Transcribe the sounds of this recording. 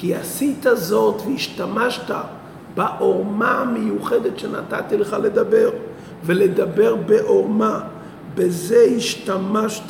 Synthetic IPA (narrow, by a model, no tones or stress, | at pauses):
kiasitazotveiʃtamaʃta | baʔoʁmaamejuχedetʃena̰ta̰tiləχaledabeʁ | veled̪abeʁbeʔoʁma | bezeiʃtamaʃt